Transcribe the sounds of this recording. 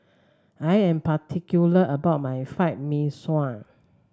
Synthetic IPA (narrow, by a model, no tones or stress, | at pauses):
ajɛ̃mpatʰikjuləʔəbaʊt̚majfajt̚mĩswãn